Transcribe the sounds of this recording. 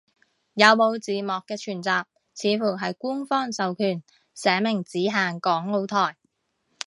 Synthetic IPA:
jɐ˨˧wmo˨˧wt͡siː˨mɔː˨kːɛː˧t͡ʃʰyː˨˩nt͡saː˨p̚ | t͡sʰiː˨˧fuː˨˩ɦɐ˨jkuː˥nfɔː˥ŋsɐ˨wkʰyː˨˩n | sɛː˨˥mɪ˨˩ŋt͡siː˨˥ɦaː˨ŋkɔː˨˥ŋlo˧wt̪ʰɔː˨˩j

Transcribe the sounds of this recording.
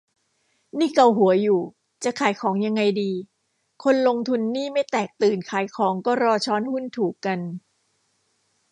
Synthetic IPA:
niː˥˩ka˧˩wɦu˩˦ɐjuː˨˩ | t͡ɕa˨˩kʰaː˩˦jkʰɔː˩˦ŋja˧ŋːa˧jdiː˧ | kʰo˧nlo˧ŋt̪ʰu˧nːiː˥˩ma˥˩jt̪ɛː˨˩k̚t̪ɯː˨˩nkʰaː˩˦jkʰɔː˩˦ŋkɔː˥˩ɾɔː˧t͡ɕʰɔː˦˥nhu˥˩nt̪ʰuː˨˩kkːa˧n

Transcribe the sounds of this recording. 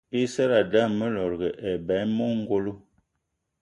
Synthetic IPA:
i˦sɛ˦ɾa˨da˦˨mə˦lɔ˨ɾɡə˨ʔɛ˨bɛ˨˦mɔ˦ŋ˦ɡo˦lo˦

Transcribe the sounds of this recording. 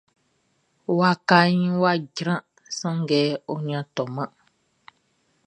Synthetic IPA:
wa˦ka˦ɲĩ˦wa˦ɟɾã˦ | sə̃˦ŋ˦ɡɛː˦o˦ɲã˦tɔ˨mə˦

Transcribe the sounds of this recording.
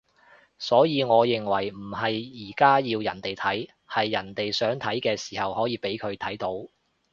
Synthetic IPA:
sɔː˨˥jiː˨˧ŋɔː˨˧jɪ˨˩ŋwɐ˨˩jm̩˨˩ɦɐ˨jjiː˨˩kaː˥jiː˧wjɐ˨˩nt̪e˨jt̪ʰɐ˨˥j | hɐ˨jːɐ˨˩nt̪e˨jsœː˨˥ŋt̪ʰɐ˨˥jkɛː˧si̥ː˨˩hɐ˨whɔː˨˥jiː˨˧pe˨˥jkʰɵ˨˧ɥt̪ʰɐ˨˥jt̪o˨˥w

